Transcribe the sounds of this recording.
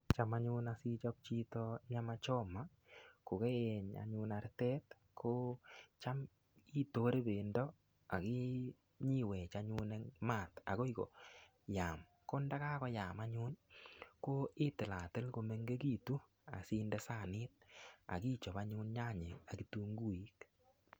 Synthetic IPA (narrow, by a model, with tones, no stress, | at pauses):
t͡ʃa˦ma˦ɲʊ˦na˨si˦t͡ʃɔ˦p̚t͡ʃi˦tɔ˦ɲa˦ma˦t͡ʃɔ˦ma˦ | ko˨kɛ˦jɛ˨ɲa̰˨ɲʊ˦na˨ɾtɛ˦t | kʰo˦t͡ʃa˦m | i˦to˦ɾe˦be˨ndɔ˦ | a˨kɪ˦ | ɲi˦wɛ˨t͡ʃaɲʊ˦nɛ˦ŋma˦˨ta̰˨kɔ˦i˦kɔ̰˨ | jaː˨m | ko˦nda˦ka˦kɔ˦ja˨maɲʊ˦nko˦ɪ˦tɪ˨la˨tɪ˦lko˧mɛ˦ŋɡe˦ki˦˨tu˦ | a̰˨si˦ndɛ˦sa˦˨nɪ˦t̚a̰˨ki˦t͡ʃɔ˨ba˦ɲʊ˦nɲa˦ɲe˨a˨ki˨tu˦ŋɡu˦i˨˦k